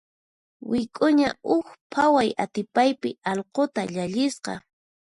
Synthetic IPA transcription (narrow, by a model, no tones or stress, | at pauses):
wɪkʼʊɲa̰ʊkpʰawajat̪ɪpajpɪɑlqot̪aʎaʎɪsqɑ̰